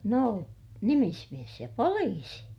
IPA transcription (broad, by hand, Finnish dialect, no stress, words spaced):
noˑ nimismies jɑ poliːsi